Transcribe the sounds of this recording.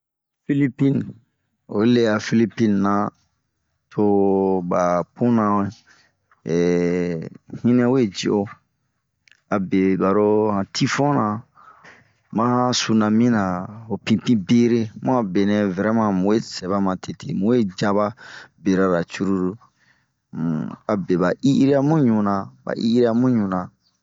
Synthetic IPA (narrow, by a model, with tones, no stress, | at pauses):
fi˦li˦pĩ˦n | o˨˦le˦ja˨fi˦li˦pĩ˦nːã˨ | tʰo˧ba˨pũ˦nã˨e˦˨ | hĩ˦nɛ̃˦wo˦e˦˨d͡ʒe˨o˦ | a˨be˨ba˨ɾo˦hã˨tʰi˦fɔ̃˦nã˨ | mã˦su˨nã˨mĩ˦nã˨o˨pĩ˨pĩ˦be˦ɾe˦mũ˦a˨be˨nɛ̃˨vɛ˨ɾɛ˦mã˧mũ˨we˦sɛ˨βa˦mã˨tʰe˨te˨mũ˨we˦d͡ʒa˦βa˦be˨ɾa˨ɾa˨t͡ʃu˦ɾu˦ɾu˦ | a˨be˨ba˨ʔi˦ʔi˦ɾe˦a˦mũ˦ɲũ˨nã˨ba̰˨ʔḭ˦ɾe˦a˦mũ˦ɲũ˨nã˨